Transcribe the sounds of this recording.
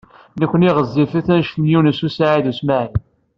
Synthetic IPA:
nəkʷːəniʁəzːifæθænʃt̪ənjunəsusaʕiðusmaʕi

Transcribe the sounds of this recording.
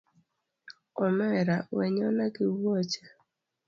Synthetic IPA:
ɔmɛɾawɛɲɔnakɪwot͡ʃa

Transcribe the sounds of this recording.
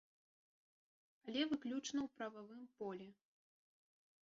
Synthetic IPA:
alʲɛvɨklʲut͡ʂnɐwpɾɐvavɨmpɔlʲɛ

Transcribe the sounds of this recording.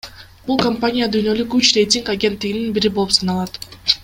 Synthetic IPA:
b̥ulˠkɐmpanʲijad̪yːjnø̞lykyt͡ʃre̞jtʲiŋkaɡʲe̞nt̪ːiɡininbiɾibo̞lˠupsɑnɑlˠɑt̪

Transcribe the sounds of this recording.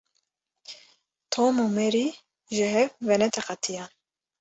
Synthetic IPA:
t̪ʰoːmomɛɾi | ʒɨɦɛvvɛnɛt̪ʰɛqɑt̪ʰijɑn

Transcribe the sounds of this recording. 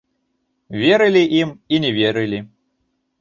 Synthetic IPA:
vʲɛɾɨlʲiʔiminʲɛvʲɛɾɨlʲi

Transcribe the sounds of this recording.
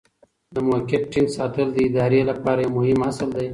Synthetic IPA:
d̪əmokɪt̚ʈinsɑt̪əld̪əɪd̪ɑɾelapɑɾajamʊhɪmasəld̪aj

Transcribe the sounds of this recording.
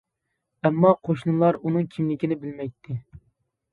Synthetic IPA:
ɛmːɑqʰoʃnɨlˠɑɾunɨŋkʲʰimlɪkʲinɪbɪlmɛjt̪ʰːɪ

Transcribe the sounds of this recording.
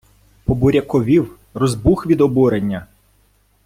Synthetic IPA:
pɔbʊɾʲɐkɔʋʲiw | rɔzbuxʋʲid̪ɔbuɾenʲːɐ

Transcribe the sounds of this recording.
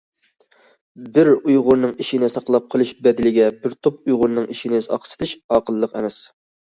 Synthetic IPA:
bɪɾujʁʊɾnɨŋiʃinɪsɑqlˠɑp̚qʰəlˠɨʃbɛd̪ɪlɪɡʲɛbɪɾt̪ʰop̚ujʁʊɾnɨŋiʃinɪsɑ̰qsɨ̥t̪ɨʃɑːqəlˠːəqɛ̰mɛs

